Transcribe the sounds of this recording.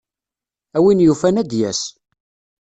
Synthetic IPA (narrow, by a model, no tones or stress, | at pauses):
æwinjufænæd̪jæs